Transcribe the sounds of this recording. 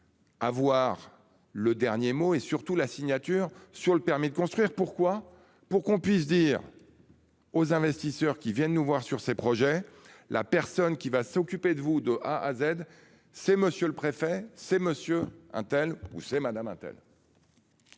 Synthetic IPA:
avwaʁ | ləd̪ɛʁnjemoesyʁt̪ulasiɲat̪yːʁsyʁləpɛʁmid̪əkɔ̃st̪χɥiʁpuʁkwa | puʁkɔ̃pɥis̬d̪iːʁ | ozɛ̃vɛst̪isœʁkʲivjɛ̃nnuvwaʁsyʁsepχɔʒɛlʔa̰pɛʁsɔnkʲivasɔkʲyped̪əvud̪əʔaʔazɛd̪ | sɛməsjøləpχefɛsɛməsjøɛ̰̃t̪ɛlṵsɛmad̪amɛ̃t̪ɛ̰l

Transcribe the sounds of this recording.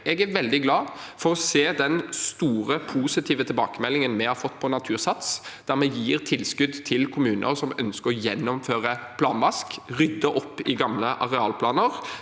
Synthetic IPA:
ɛɡæɾʋɛld̪ɪɡlɑːfɔʁɔseːd̪ɛnst̪uːɾəpʰuːsɪt̪ʰiːʋət̪ʰɪlbɑːkəmɛlːɪŋənmɛhɑɾfɔt̪ːpʰɔnɑt̪ʰʉːʁsɑt̪sd̪̥æʁmɛjiːʁt̪ʰɪlskʉd̪t̪ʰɪlkʰʊmʉːnʔə̰ɾsɔmœnskəɾɔjɛnːɔmføːʁəpʰlɑːnʋɑskʁʏd̪ːəʔɔpːɪɡɑmləʔɑʁɛɑːlpʰlɑːnəʁ

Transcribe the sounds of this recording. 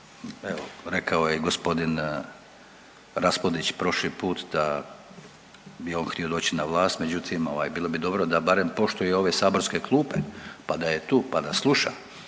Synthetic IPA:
eʋoɾe̞kʰaojeiɡo̞spo̞d̪in | ɾaspod̪it͡ɕpɾo̞ʃlipuːt̪d̪a | bio̞ːnxt̪io̞d̪o̞ːt͡ɕinaʋlˠaːst̪me̞d͡ʑut̪ʰimo̞ʋa̰jbiːlˠo̞bid̪o̞bɾod̪abaɾe̞mpo̞ʃt̪ujeo̞ʋesaːbo̞ɾskeklˠuːpe̞pad̪aje̞t̪uːpad̪aslˠuʃa̰

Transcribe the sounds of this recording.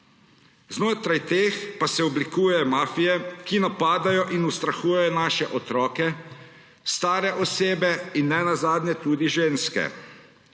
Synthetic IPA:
znoːt̪ɾajt̪eːxpasɛɔblikuːjɛjɔmaːfijɛkinapaːd̪ajɔʔinust̪ɾaxuːjɛjɔnaːʃɛʔɔt̪ɾɔːkɛ | st̪aːɾɛʔɔseːbɛinːɛnazaːd̪nʲɛt̪uːd̪iʒeːnskɛ̰

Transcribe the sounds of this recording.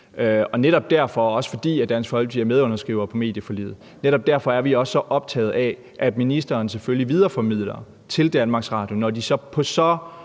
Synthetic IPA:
øɒ̽neɾ̥ɒ̽b̥̚d̥æɐfɒ̽ɒ̽sə̥fɒ̽d̥ḭːæd̥ænsfɒ̽l̰ɡ̥ʋiæɐmeð̞ˠɔ̽nɐsɡ̥ʁḭːʊɐpʰɒ̽me̝ːd̥jəfolḭːð̩ˠ | neɾɒ̽b̥̚d̥æɐfɒ̽æɐʋiɒ̽sːɒ̽ʔɒ̽b̥̚t͡sʰɛ̰ːð̩ˠɛ | ʔæd̥minisd̥ɐːns̬eføljiʋið̞ˠɐfɒmið̞̰ˠlɐ | t͡sʰe̝ld̥ænmɑ̈ɡ̥sʁɑ̈ːd̥jo̝nɒd̥isɒ̽pʰɒ̽sɒ̽

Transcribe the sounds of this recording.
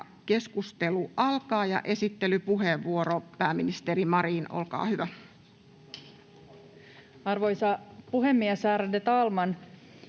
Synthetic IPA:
ke̞skust̪eluʔɑlkɑːjɑ̰ʔe̞sit̪ːelypuɦeʋːuoɾopæːminist̪erimɑɾiːno̰lkɑ̰ːhyʋæ | ɑrʋojsɑpuɦemːiesæːɾædet̪ɑːlmɑn

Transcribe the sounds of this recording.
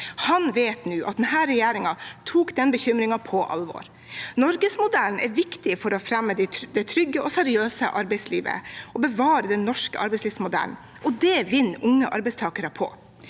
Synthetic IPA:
hɑnʋeːt̪nʉːʔɑ̰t̪̚d̪nhæːɾːɛjæːɾɪŋɑt̪ʰuːkd̪ɛnbəçʏmɾɪŋɑpʰɔʔɑ̰lʋɔ̰ɾ | nɔɾɡəsmʊd̪æln̩ɛɾʋɪkt̪ɪfɔɾɔfɾɛmːəd̪ɪd̪ɛt̪ʰɾʏɡːəɔsæɾɪøːsə̰ʔɑɾbɛɪslḭːʋə̰ɔbəʋɑːɾəd̪ɛnːɔʂkəʔɑɾbɛɪsliːʋsmʊd̪æ̰ln | ʔɔd̪ɛʋɪnːʔʊŋːəʔɑ̰ɾbɛɪst̪ʰɑːkəɾəpʰɔ̰

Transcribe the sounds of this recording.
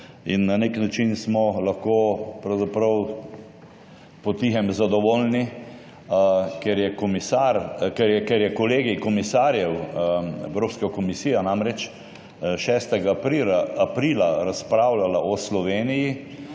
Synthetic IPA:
inːaneknat͡ʃinsmɔlaxkoːpɾɐwzapɾəw | pɔt̪iɦɛmzad̪ɔʋoːlni | kɛɾjɛkɔmisaɾkɛɾjɛkɛɾjɛkɔleːɡikɔmisaːɾjɛwɛ̰wɾoːpskakɔmisiːjanamɾɛt͡ʃ | ʃɛst̪ɛɡaːpɾiɾaapɾilaɾaspɾawlalaʔɔslɔʋeːniji

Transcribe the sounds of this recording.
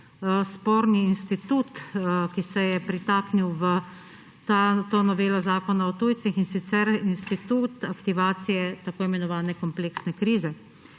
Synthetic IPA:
spoːɾniːnst̪it̪uːt̪kisɛjɛpɾit̪aːkniwʋə | at̪oːnɔʋeːlɔzaːkɔnaɔt̪uːjt̪sixinsit̪sɛɾinst̪it̪uːt̪akt̪iʋaːt̪sijɛt̪akoːimɛnɔʋaːnɛkɔmpleːksnɛkɾiːzɛ

